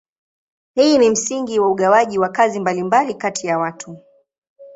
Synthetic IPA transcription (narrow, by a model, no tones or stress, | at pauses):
hiːnim̩siŋɡiwauɠawaʄiwakazimbalimbalikatʰijawatʰu